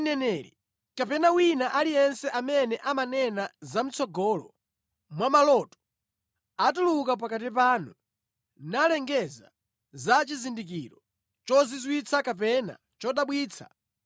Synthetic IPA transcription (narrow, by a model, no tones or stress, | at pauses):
nɛnɛːɾḭ | kapɛnawinaʔalijɛnsɛʔamɛnɛʔamanɛnazam̩t͡sɔɡɔlɔ | mwamalɔtɔ̥ | atulukap̬akat̬ipaːnu | nalɛŋɡɛza̰ | zat͡ʃizindik̬iɾɔ | t͡ʃɔzizwit͡sʰakap̬ɛna̰ | t͡ʃɔɗaɓwiːt͡sʰa̰